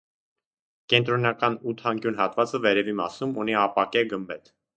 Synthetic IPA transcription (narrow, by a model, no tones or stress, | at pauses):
kɛnt̪ɾɔnɑkɑnut̪ʰɑŋkjunɦɑt̪vɑt͡səvɛɾɛvimɑ̰sumuniɑpɑkɛɡəmbɛt̪ʰ